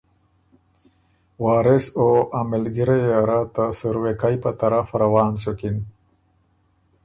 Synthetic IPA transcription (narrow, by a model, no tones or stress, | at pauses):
wɑːɾɪsoamɪlɡiɾejaɾat̪asuɾwekajpat̪aɾafɾawɑːnsokin